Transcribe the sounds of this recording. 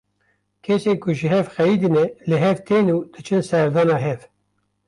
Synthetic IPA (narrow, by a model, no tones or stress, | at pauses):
kʰesekʰʊʒɨɦɛvxɛjid̪ɨnɛlɨɦɛvt̪ʰenuːd̪̥ɨt͡ʃʰɨnsɛɾd̪ɑːnɑːɦɛv